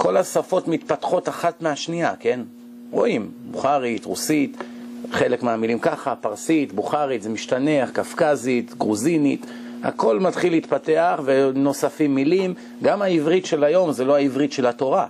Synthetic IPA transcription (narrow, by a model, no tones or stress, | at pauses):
ko̞lasafo̞t̪mit̪pat̪χo̞t̪aχat̪meaʃnia̰ke̞n | ʁo̞imbuχaʁit̪ʁusit̪χe̞lekmeamilimkaχapaʁsit̪buχaʁit̪zemiʃtaneaχkafkazit̪ɡʁuzinit̪ | a̰ko̞lmat̪χilːeit̪pate̞aχve̞no̞safimːilim | ɡamaivʁit̪ʃe̞lajo̞mzelo̞aivʁit̪ʃe̞lhat̪o̞ʁa